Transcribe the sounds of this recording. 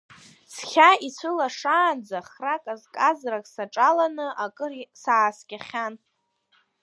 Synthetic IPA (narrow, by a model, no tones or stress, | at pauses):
sχʲait͡sʷʰɨlaʂaːnd͡zaχrakʼazkʼazrakʼsaʈ͡ʂʼalanɨʔakʼɨrsaːskʲʼaχʲan